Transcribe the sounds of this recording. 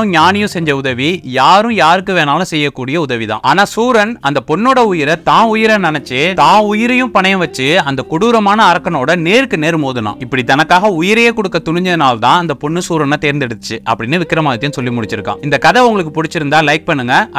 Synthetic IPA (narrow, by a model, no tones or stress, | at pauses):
ɲaːnɪjʊ̃sɛɲd͡ʒɐʊðɐʋijaːɾɯ̃jaːɾɯkːɯʋeːnaːlʊ̃sɛjːɐkːuːɽɪjɐʊðɐʋiðã̰ːaːnaːsuːɾɐnɐnd̪ɐpɔɳːoːɽɐʊjɪɾɐt̪ãːʊjɪɾɐnɪnɐt͡ʃːet̪ãːʊjɪɾɐjʊ̃pɐɳɐjɐ̃ʋɐt͡ʃːɯɐnd̪ɐkʊɽuːɾɐmaːnɐːɾɐkːɐnoːɽɐneːɾɯkːɯneːɾɯmoːðɯna̰ːɪpːɐɽit̪ɐnɐkːaːɣɐʊjɪɾɐjeːkɔɽɯkːɐt̪ʊɳɪɲd͡ʒɐðɯnaːlt̪ãːɐnd̪ɐpɔɳːɯsuːɾɐnɐt̪eːɾnd̪ɛɽɯt̪ːɯt͡ʃːɯʔɐ̰pːɐɽɪnːɯʋɪkːɪɾɐmaːðɐt̪ɐjʊ̃sɔlːimʊɽɪt͡ʃːɪɾɯkːã̰ːɪnd̪ɐkɐðɐʊŋɡɐɭɯkːɯpʊɽɪt͡ʃːɪɾɯnd̪ãːlɐɪk̚pɐɳːɯŋɡɐ